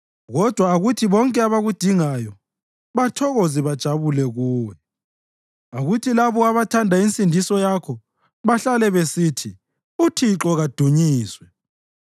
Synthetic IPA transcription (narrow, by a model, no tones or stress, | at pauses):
ɣɔd̥ʱwaːɣutʰiβɔŋkʼɛaβaɣud̥ʱiŋajɔ | βatʰɔɣoziβad̥ʒ̥ʱaβulɛɣuːjɛ | aɣutʰilaβɔaβatʰandʱaint͡sʼindʱisɔjakʰɔ | βaɬalɛβesitʰi | utʰiǁɔɣad̥ʱuɲiːswɛ